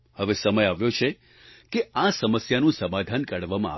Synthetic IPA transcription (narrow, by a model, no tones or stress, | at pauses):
həʋesəməjaʋjot͡ʃʰe | keasəməsjanũsəmad̪ʱankəɽʋamãa̰